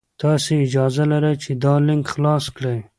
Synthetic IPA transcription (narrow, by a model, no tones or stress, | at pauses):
t̪ɑseɪd͡ʒɑzalaɾat͡ʃed̪ɑlɪŋkxlɑskɽaj